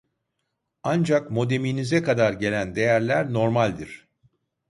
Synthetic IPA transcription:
and͡ʒakmo̞d̪e̞minizɛkad̪aɾɟe̞lʲænd̪e̞jæɾlʲæɾno̞ɾmalʲd̪iɾ̥

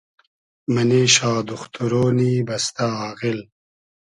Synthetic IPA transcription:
mɐneːɕaːd̪uxt̪uɾoːniːbɐst̪aːɣil

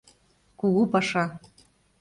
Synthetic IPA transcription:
kuɣupɑʂɑ

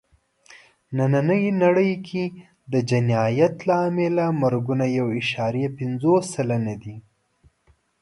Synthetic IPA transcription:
nananəjinaɽəjkʰi | d̪əd͡ʒanɑjat̪lamelamaɾɡunajawɪʃɑɾijapɪnzosːalanad̪i

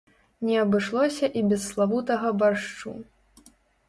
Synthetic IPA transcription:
nʲɛɐbɨʂlˠɔsʲɐʔibʲɛsːlˠavut̪ɐɣɐbaʂt͡ʂṵ

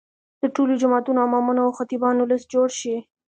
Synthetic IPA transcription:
d̪̥əʈolod͡ʒʊmɑt̪unoamɑmunaawxat̪ibɑnʊləsd͡ʒoɽʃi

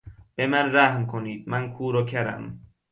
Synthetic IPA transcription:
b̥emænzæhmkʰoniːd̪̚mænkʰuːɾocʰæɾæ̰m

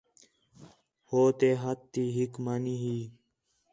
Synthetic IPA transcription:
hoːt̪eːɦət̪ːiːɦikmaniːɦiː

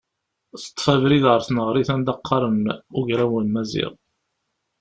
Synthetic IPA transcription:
θə̥t̪ˤːfævɾiðʁəɾˤθnəʁɾiθænd̪ɑqʰːɑɾˤənʊʝɾæwulmæzḭʁ

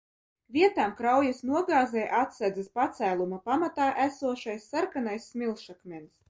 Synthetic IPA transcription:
vʲiɛt̪aːmkɾawjasnuɔɡaːzɛjʔat̪sæd̪ɨspat̪sæːlˠumapamat̪aːʔæsuɔʃajsːaɾkanajsːmʲilˠʃakmʲens

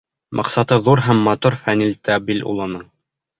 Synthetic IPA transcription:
mʔɑ̰qsɑt̪ɤðuɾɦæmːɑt̪uɾfænilt̪ɑbilṵlˠɤ̆nɤɴ

